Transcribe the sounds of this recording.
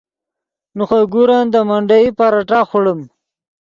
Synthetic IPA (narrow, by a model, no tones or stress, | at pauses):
nuχaɡuɾand̪əmaɳɖaipaɾaʈaxuɽəm